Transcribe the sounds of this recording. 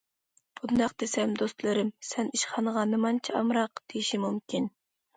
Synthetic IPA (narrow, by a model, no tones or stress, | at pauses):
bʰʊt̪nd̪ɑqd̪esɛmd̪ost̪lˠɨɾɨmsɛniʃχɑnəʁɑnɨmɑnt͡ʃʰiɑ̰mɾɑqd̪̥ejiʃimumkʲin